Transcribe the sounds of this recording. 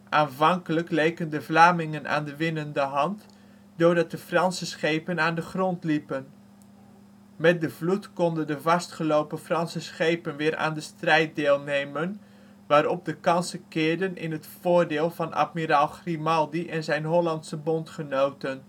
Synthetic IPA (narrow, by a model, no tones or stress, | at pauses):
ʔaːnvɑŋkələklejkəndəvlaːmɪŋəna̰ːndəʋɪnəndəɦɑnt | dʊːɹdɑt̚dəfrɑnsəsχejpənaːndəχrɔntlipən | mɛt̚dəvlutkɔndəndəvɑstχəlowpəfrɑnsəsχejpənʋɪːɾa̰ːndəstrɛjt̚dɪːlˠnejmən | ʋaːɾɔp̚dəkɑnsəkɪːɹdənʔɪ̰nɦətfʊːɹdɪːlˠvɑnʔa̰tmiɾalˠχrimɑlˠdiʔɛnzɛjnɦɔlɑntsəbɔntχənowtən